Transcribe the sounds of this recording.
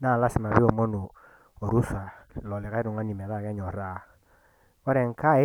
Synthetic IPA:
na˦˨la˦si˨ma˨βi˦o˨mo˦nu˨ | o˨ɾu˦sa˨lɔ˨lɪ˨ka˦i˦ɾu˨ŋa˦ni˨mɛ˨ða˦˨kɛ˦ɲɔ˨ɾa˦ | ɔ˦ɾɛ˨ŋ˦ka˦˨˦

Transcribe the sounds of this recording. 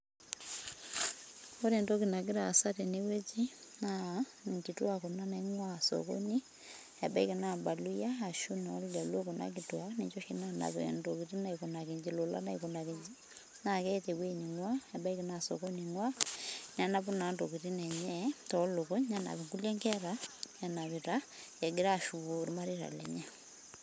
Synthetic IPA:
o˦ɾe˨ndo˦ki˨na˨k̬i˦ɾa˨sa˦te˨ne˦we˦t͡ʃi˦na˨ | ŋki˨twa˦ko˨na˦nɛ˦ŋwa˦˨so̰ko̰˦ni˦ | ɛ˨ba˦i˦ke˨na˨ba˨lu˦jaː˦˨ʃu˦na˨˦lla˨lo˦ko˨na̰˦k̬itwa˦ne˨t͡ʃo˦ʃina˦na̰˨βḛndoki˨ti˦na˨iko˨na˨ke˨ɲd͡ʒi˨lo˨la̰˦na˦iko˨na˨ke˨ɲd͡ʒi˦ | na˨kɛ˦te˨ɣwe˦ɲi˨ŋwa˦ɛ˨ba˦i˦kena˨so̰ko˦niŋwa˦ɲa˨na˦βu˦na˨ndo˨kiɾi˦nɛ˨ɲɛtɔlo˨ko˦ɲa˦na̰˨βe˨ŋku˦lɛ˦ŋkɛɾa˦a˨na˨βeɾa˦ | e˨ɡeɾa˦˨ʃuβo˨ɾi˦ma˦ɾiɾa̰˨lɛ̰˨ɲa˦

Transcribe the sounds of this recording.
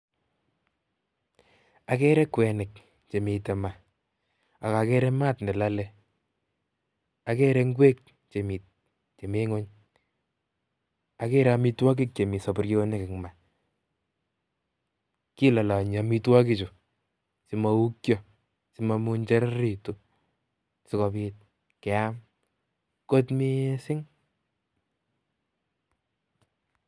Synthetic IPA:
a˨kɛ˦ɾɛ˦kwɛ˨nɪ˨k | t͡ʃe˨mi˨tɛ˨ma˨ | a˨ka˨kɛ˦ɾɛ˦ma˦tnɛ˨la˦lɛ˦ | a˨kɛ˦ɾɛ˦ŋɡwe˦k̚ | t͡ʃe˨mi˨t̚ | t͡ʃe˨me˦ŋo˦ɲ | a˨kɛ˦ɾa˦mi˦twa˦k̬i˦k̚t͡ʃe˨mi˨sa˨pʊ˨ɾki˦o˦nɛ˦kɪ˨kma˨ | ki˦la˨la˨ɲa˨mi˦twa˦ki˦t͡ʃʊ˨ | si˨ma˨u˦kjɔ˦ | sɪ˦ma˧mu˧ɲt͡ʃɛ˦ɾa˦ɾi˨tu˦ | sɪ˦kɔ˨bi˦t̚ | kɛ˨a˦m | ko˦tmi˦sɪ˦ŋ

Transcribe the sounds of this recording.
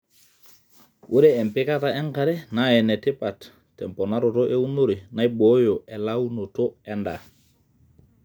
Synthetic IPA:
wʔu˦ɾeː˦˨mpi˦ka˦ta˨e˦ŋka˨ɾɛ˦naɛ˨ne˨ti˦pa˨tː | ɛ˨mpo˨na˦ɾo˨to˦ʔe˦u˦no˦ɾi˨na˦ibojo˨ʔɛ˨lau˦no˨to˦ɛ˦nda̰˨

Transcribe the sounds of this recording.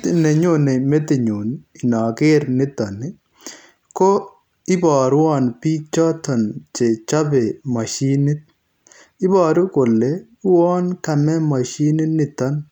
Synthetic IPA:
ne˨ɲo˦ne˨me˦t̪e˨ɲo˨ni˨nɔ˨ɡɪ˦ɾnɪ˦t̪ɔ˨nɪ˦ | kɔ˦ | ɪ˦bɔ˨ɾwɔ˦npi˦t͡ʃɔ˦t̪ɔ˨nt͡ʃe˨t͡ʃɔ˦be˨ma˨ʃi˦ni˦t̪̚ | ɪ˦bɔː˨ɾʊ˦ko˨lːe˨˦ | wɔ˦nka˨mɛ˦ma˨ʃi˦nɪ˦nɪ˦t̪ɔ˦n

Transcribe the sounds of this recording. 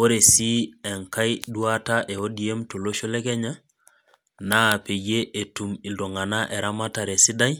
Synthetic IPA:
o˦ɾe˨si˦e˨ŋka˦jdu˦a˦ta˦ʔe˨odi˨e˦mto˨lo˦ʃo˦le˦ke˦ɲa˦ | naː˦˨pe˨je˦ʔe˨tu˨mi˨ldo˨ŋa˨na˦ʔe˨ɾa˦ma˦ta˨ɾe˨si˦da˦j

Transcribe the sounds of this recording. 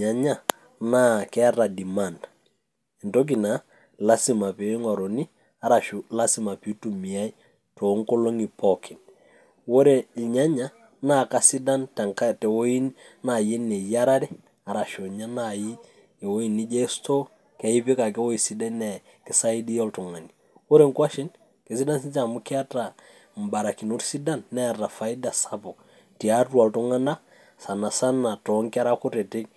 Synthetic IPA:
ɲa˨ɲa˦˨ | na˦kɛ˦a˦ra˨di˨ma˨nd | ɛ˨nto˦k̬i˨na˨˦ | la˦si˨ma˨pe˨˦ŋɔ˨ɾo˨ni˦ | a˨˦ɾa˨ʃu˨la˦si˨ma˨pi˨˦tu˨mi˨a˦i˦ | to˨˦ŋko˦lo˦ŋi˨pɔ˦kʰɪ˨n | wo˦ɾe˨lɲa˦ɲa˦ | na˦˨ka˦si˦da˦ntɛ˨ŋka˦tɛ˨wo˦i˦nna˨je˦nɛ˨ja˦ɾa˦ɾɛ˦ | a˨ɾa˨ʃo˨ɲa˦na˨ji˦ | e˨wo˦i˦˨nːi˦d͡ʒe˦sto˦ | kɛ˨i˦pi˦ka˨kɛ˦wo˦i˨si˦da˦nɛ˨ | kɪ˦sa˦i˦di˦jɔ˦ltu˨ŋa˨ni˨ | wo˦ɾe˦˨ŋkwa˦ʃi˦n | ke˨si˦da˦nsi˦t͡ʃa˨mu˦ki˦a˦ta˨ | m̩˨ba˨ɾa˨ki˨nu˦ɾsi˦da˦nːɛ˦a˨ta˨fa˨i˦da˨sa˨bɔ˨k | ti˨a˦tu˦a˨ltu˦ŋa˦na˦ | sa˨na˨sa˦na˨tɔ˨˦ŋka˦ɾa˦ku˦tɛ˨te˦k̚

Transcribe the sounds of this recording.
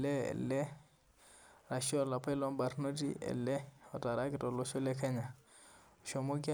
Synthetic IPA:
lɛ̰˦˨lɛ˦ | ɾa˨ʃi˦ɔ˦la˨pa˦jlɔ˦mba˨ɾno˦tḭ˦ɛ̰˨lːɛ˦ɔ˨ta˨ɾa˦ki˦tɔ˨lo˦ʃo˦lɛ˦kɛ˦ɲa˨ | ʃo˨mo˦ki˦

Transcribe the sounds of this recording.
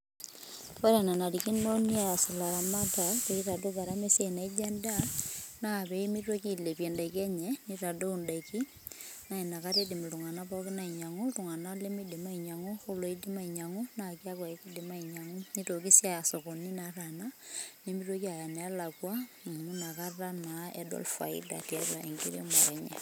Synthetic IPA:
e˦ɾa˨na˨na˨ɾiki˦no˦ni˦a˨si˨la˨ɾa˨ma˦ta˨ke˨i˦ɾa˨do˦ka˨ɾa˦me˦sje˦i˨na˨i˦d͡ʒe˦nda˦na˦˨βe˨i˦mi˦to˦ki˦le˨pje˨nde˨ke˦ɲeni˦ta˨do˦u˨ndeki˦ | na˦i˨na˨ka˦te˦di˨m˨tu˨ŋa˨na˦pɔ˦ki˦na˨i˨ɲa˨ŋu˦tu˨ŋa˨na˦le˦mi˦di˨ma˦i˨ɲa˨ŋu˦xu˦lo˨˦i˦di˦ma˦i˨ɲa˨ŋu˦na˦˨ki˦a˦kwa˨i˦ki˦di˨ma˦i˨ɲa˨ŋu˦ni˦to˨ki˦sja˦˨so˨ko˨ni˦na˨ra˨na˦ni˦mi˦two˦ki˦a˨ja˨nɛ˨a˦la˨kwa˦˨ | mu˦na˨ka˦a˦na˨ḛ˦do̰˦lfa̰˨ḭ˦da̰˨tja˦ɾa̰˨ḛ˨ŋɡḭ˦ɾḭ˦ma˨ɾa˨ɲḛ˨

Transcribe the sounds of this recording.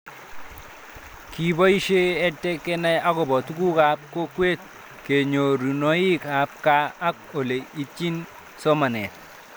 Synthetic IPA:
ki˨bɔ˦i˦ʃe˦ɛ˦tːɛ˦ke˦nɛ˦ja˦ko˨bɔ˨tu˦ku˦ka˨˦p̚ko˦kwe˦t̪̚ | ke˨ɲo˨ɾu˨no˨˦i˦ka˨˦p̚kaː˦k̚o˨le˨i˦t͡ʃi˦n | so˦ma˨nɛ˨t̪̚

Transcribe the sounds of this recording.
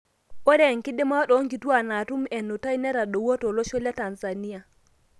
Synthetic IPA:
o˦ɾe˦˨ŋki˦de˦ma˦ɗɔ˨˦ŋɡi˨tu˦a˨na˨tu˦mɛ˨nːo˨ta˦i˦ne˦ɾa˨ɗo˨wo˦to˨lo˦ʃo˦la˦ta˨nsa˨ni˦a˨

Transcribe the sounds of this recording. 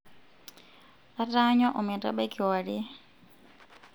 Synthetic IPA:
a˦ta˦ɲɔ˦ʔɔ˨mɛ˨ta̰˦ɓa˦ki˨wa˨ɾi˦

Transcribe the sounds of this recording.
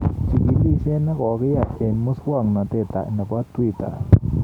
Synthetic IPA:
t͡ʃi˧ʔi˧li˦se˦na˦ɣo˨˧ɣe˦ja˧e˨nmu˦swa˦˨ŋna˨t̪e˧˨t̪a̰˨ʔna˨ba˦t̪wi˦˨t̪a̰˨

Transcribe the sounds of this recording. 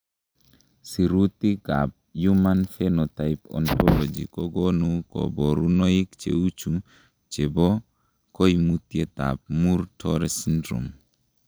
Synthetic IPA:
si˨ɾut̪i˦ɡa˨p̚ju˦manfenɔ˨t̪a˨jpɔ̰˨ntɔ˦lɔ˨d͡ʒi˨kɔ˦ɡɔ˦nukɔ̰˨bɔ˨ɾu˦nɔ˦i˦kt͡ʃḛ˨u˦t͡ʃu˨ | t͡ʃe˨bɔ˦ | ko˦jmut̪je˦t̪a̰˨p̚mu˦ɾtɔɾɛsindɾṵ˨m

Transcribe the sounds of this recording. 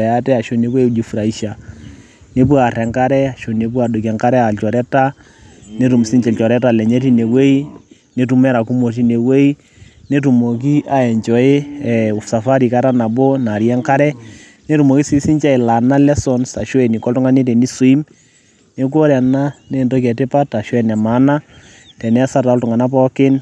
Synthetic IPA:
ɛ˨a˦tɛ˦a˨ʃo˨˦ne˨˦we˦d͡ʒi˨fu˨ɾa˨i˦ʃa˨ | ne˦p̬wa˨rɛ˨ŋka˦ɾɛ˦a˨ʃo˨ne˨˦p̬wa˨do˨kɛ˨ŋka˦ɾɛ˦a˨lt͡ʃɔ˨ɾɛ˦ta˦ | ne˦tu˨m˨si˦ɲt͡ʃɛ˨lt͡ʃɔ˨ɾɛ˦ta˨lɛ˨ɲɛ˦ti˦ne˨we˦i˦ | ne˨tu˨mɛ˦ɾa˨ku˦mo˨t̬i˦ne˨we˦i˦ | ne˦tu˨mo˨k̬i˦ʔa˨ɛ˨ɲt͡ʃɔ˨ɪ˦ɛ˨ʊ˨fsa˨fa˦ɾi˨ka˦ɾa˦na˨bo˦na˨ɾjɛ˦ŋka˦ɾɛ˦ | ne˦tu˨mo˨ki˦si˦sɪ˦ɲt͡ʃɛ˦ɪ˨la˨na˦lɛ˦sɔ˨nsa˨ʃo˦ɛ˨ni˨kɔ˦ltʊ˦ŋa˦ne˦te˨ni˦su˨i˦m | ne˨k̬o˦ɾɛ˨na˦ne˦˨ndo˦kɛ˨tɪ˦pa˦ta˨ʃɔ˦ɛ˨nɛ˨ma˨˦na˦ | tɛ˨nɛ˦sa˦ta˨ɔ˦ltʊ˨ŋa˨na˦pɔ˦kɪ˦n

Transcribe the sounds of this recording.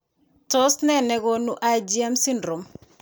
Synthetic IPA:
tɔ˦snɛ˦nɛ˨ɡo˦nu˦ʔa˦d͡ʒiɛ˦msi˦ndɾo˨m

